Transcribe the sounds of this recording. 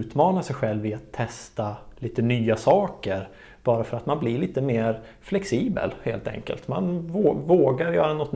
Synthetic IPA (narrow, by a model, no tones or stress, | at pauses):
ʉːt̪mɑːnasɛjɧɛlvɪat̪ʰːɛst̪aliːt̪ənyːasɑːkəɾ | b̥ɑːɾafœɾat̪manblɪɾɭiːt̪əmeːɾ | flɛksiːbə̰lhḛːlt̪ʰɛ̰ŋkə̰lt̪ma̰nvoːvoːɡaɾjœːɾanɔt̪ːn